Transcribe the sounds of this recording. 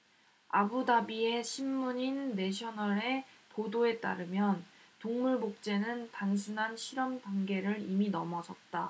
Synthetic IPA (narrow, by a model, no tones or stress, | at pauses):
a̰budabie̞ɕʰimːuɲinːe̞ɕʰʌnʌɾe̞todoe̞t͈a̰ɾɯmjʌntoŋmuɭmok̚t͡ɕ͈e̞nɯntaŋsʰunɦanɕʰiɾʌmtaŋɡe̞ɾɯɾiminʌmʌd͡ʑʌt̚t͈a